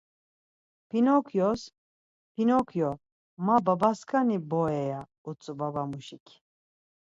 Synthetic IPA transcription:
pʰinɔkʰjɔs | pʰinɔkʰjɔ | mababaskʰʼanibɔɛja | ut͡sʼubabamuʃikʰ

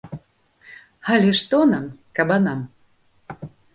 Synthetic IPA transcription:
alʲɛʂt̪ɔnamkabanam

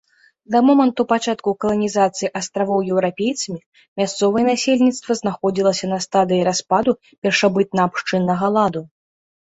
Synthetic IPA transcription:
d̪ɐmɔmɐnt̪upat͡ʂat̪kukɐlˠɐnʲizat̪sɨjiʔast̪ɾavɔwjɛwɾapʲejt̪sɐmʲi | mʲast̪sɔvɐjɛnasʲelʲnʲit̪st̪vɐznaxɔd͡zʲilˠɐsʲɐnɐst̪ad̪ɨjiɾaspad̪u | pʲɛrʂabɨt̪̚nɐːpʂt͡ʂɨnːɐɣɐlˠad̪u

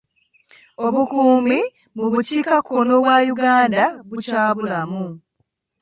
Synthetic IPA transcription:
oβukuːmi | muβuciːkakʰːono̞βwajuɡaːndaβucaːβulamu

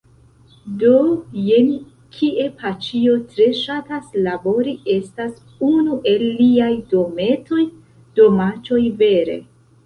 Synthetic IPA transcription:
doje̞n | kʰiʔe̞pʰat͡ʃio̞tɾe̞ʃataslabo̞ɾiʔe̞stas | unuʔe̞lːiajdo̞me̞to̞j | d̥o̞mat͡ʃo̞jve̞ɾe̞̰

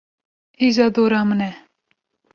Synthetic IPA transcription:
iːzɑːd̪oːɾɑːmənɛ

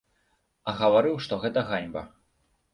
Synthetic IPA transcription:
ɐɣɐvaɾɨwʂt̪ɔɣɛt̪ɐɣanʲbɐ̰

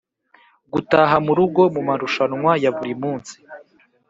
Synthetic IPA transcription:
ɡutaɦamuɾuɡo̞mumaɾuʃanŋwajaβuɾimuːnsi̥

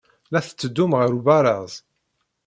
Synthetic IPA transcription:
læθə̥t͡sːəd̪ːʊmʁəɾubæɾˤəðˤ

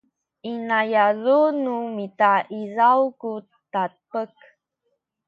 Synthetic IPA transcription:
inajazunumitaʔizawku | tapək

